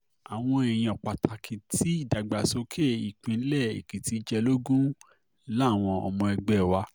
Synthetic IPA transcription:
a˨w̃ɔ̃˧e˨j̃ĩ˧ɔ˨k͡pa˨tʰa˨kʰĩ˨ti˨˦i˦˨da˨ɡ͡ba˨so˧kʰe˦˨i˨k͡pĩ˨˧n̩˦lɛ˦˨ḛ˨kĩ˨ti˨˦d͡ʒɛ˧lo˦ɡũ˦ | la˦˨w̃ɔ̃˧ɔ̰˧˨mɔ̃˧ɛ˧ɡ͡bɛ˨wa˧˦

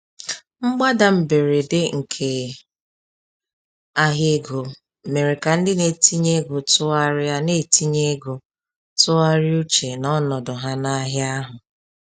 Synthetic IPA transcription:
ŋ͡m̩˦ɡ͡ba˦da˨m̩˨be˨ɾe˨dɪ˦ŋ̩˨kʰe˨ | a˦ɦe˦ɡo˨ | me˨ɾe˨ka˨n̩˦dɪ˦ne˨ti˦ɲe˦ɡʊ˨tʊ˦a˦ɾɪ˦a˦ne˦˨ti˦ɲe˦ɡo˨ | tʊ˦a˦ɾɪ˦u˦t͡ʃe˨nɔ˦nɔ˨dʊ˨ɦa˦na˦ɦja˦ɦʊ˨

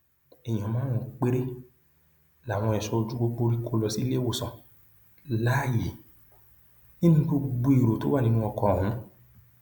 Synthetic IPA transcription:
ɛ˨j̃ã˨mãː˨˦ɔ̃˨k͡pe˦ɾe˦ | la˨w̃ɔ̃˧ɛ˨sɔ˧o˧d͡ʒu˦ɡ͡bo˦k͡po˧ɾi˦kʰo˧lɔ˧si˦le˦˨wo˦˨sɔ̃˨ | la˦˨je˨ | ĩ˦nĩ˦ko˦ɡ͡bu˧˦i˨ɾo˨to˨˦wa˦˨nĩ˨˦nũ˦ɔ˧kɔ˧˨ũ˨˦

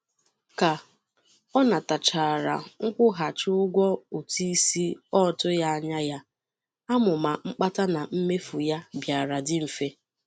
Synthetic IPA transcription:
ka˨ | ɔ˦na˨ta˨t͡ʃa˨ɾa̰˨ŋ̩˦kʷʊ˦ɦa˨t͡ʃʊ˦ʊ˦ɡʷɔ˦o˨ti˦si˦ɔ˦˨tʊ˦ja˦a˦ɲa˦ja˦ | a˦mʊ˨ma˨ŋ͡m̩˦k͡pa˦ta˦na˨m̩˦me˦fu˨ja˦bja˨ɾa˨dɪ˦m̩˨fe˦

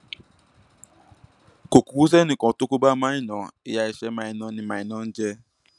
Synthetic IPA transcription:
ko˨ku˨wu˦ze˦nɪ˨kɔ˨tʊ˦ku˦ba˦ma˦ɪ˦nɔ˨ɪ˦ja˦i˦ʃe˦ma˨ɪ˨nɔ˦nɪ˨ma˨ɪ˨nɔ˦n̩˦d͡ʒe˦

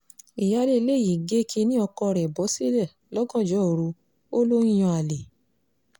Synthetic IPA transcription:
i˨ja˨˦le˦i˧le˦˨ji˨ɡe˦kʰe˧˦nĩ˦ɔ˧kɔ˧ɾɛ˨bɔ˨˦si˦lɛ˦˨ | lɔ˦ɡɔ̃˦˨d͡ʒɔ˨˦o˨ɾu˧ | o˦lo˦ĩ˦j̃ɔ̃˧a˨le˨

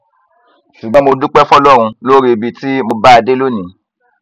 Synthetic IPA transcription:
ʃu˨ɡ͡bɔ̃˦mo˧du˦k͡pɛ˦fɔ˦lɔ˦ɾ̃ũ˧lo˦ɾi˦˧˨bi˧ti˦mo˧ba˦a˧de˦lo˦˨nĩ˨˦

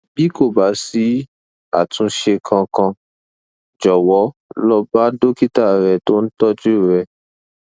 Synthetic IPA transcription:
bi˨˦ko˦˨ba˨˦si˨˦ | a̰˦˨tũ˨˦ʃe˧kʰã˧kã˧ | d͡ʒɔ˨wɔ˨˦lɔ˧ba˦do˦ki˦ta˦˨ɾɛ˧˨to˦n̩˦tɔ˦d͡ʒu˦˨ɾɛ˧

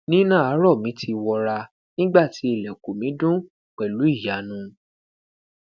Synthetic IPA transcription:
nĩ˦nã˦˨a˨˦ɾɔ˦˨mĩ˨˦tʰi˧wɔ˧ɾa˧ | nĩ˦ɡ͡ba˦˨ti˨˦e˦˨lɛ˨ko˨mĩ˨˦dũ˦ | k͡pɛ˨lu˨˦i˦˨ja˨˦nũ˦˧

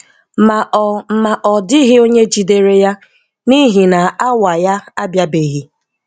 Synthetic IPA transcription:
ma˨ɔ˨m̩˨ma˨ʔɔ˨dɪ˦ɦɪ˦o˦ɲe˦d͡ʒi˨de˨ɾe˦ja˦ | ni˦ɦi˨na˨a˦wa˨ja˦a˦bja˦be˨ɣi˦

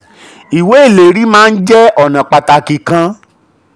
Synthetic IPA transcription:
i˨we˨˦e˦˨le˨ɾi˦mãː˦˧n̩˦d͡ʒɛ˦ɔ˨nã˨k͡pa˧ta˧ki˨kã˧

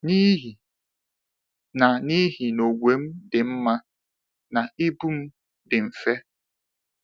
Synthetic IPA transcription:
ni˦ɦi˨ | na˨ni˦ɦi˨no˨ɡʷe˨˦m̩˦dɪ˨m̩˦ma˦ | na˨i˦bu˦m̩˦ | dɪ˨ɱ̩˨fe˦

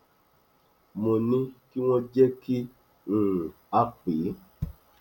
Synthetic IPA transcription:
mɔ˨nĩ˦ki˦wɔ̃˦d͡ʒɛ˦ki˦ | n̩˨ | a˦k͡pe˨˦

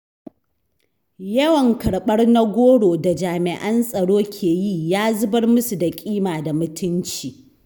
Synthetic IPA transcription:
jɐ˦wɐ˨ŋkɐ˨ɽɓɐ˦rna˦ɡʷoː˦ɽoː˨da˨d͡ʒaː˨mɪ˨ʔɐ˦nsʼɐ˨ɽoː˦kʲʰeː˨ji˦jaː˦zʊ˦bɐ˦rmʊ˦su˨da˨kʲʼiː˦maː˨da˨mʊ˦tʰʊ˦nt͡ʃiː˨

